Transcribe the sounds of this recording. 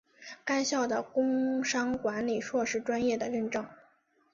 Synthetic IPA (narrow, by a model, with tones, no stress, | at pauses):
ka˥ɪɕjɑ˥˩ʊd̪ə˩kʊ˥ŋʂɑ˥ŋkwa˧˥nli˨˩ʂwɔ˥˧ʂɻ̩˥˩ʈ͡ʂwa˥njɛ˥˩d̪ə˩ɻə˥˩nʈ͡ʂɤ˥˩ŋ